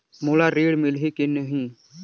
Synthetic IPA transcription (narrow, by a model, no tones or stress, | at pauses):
molaɾeːɽmɪlɦikenəɦĩː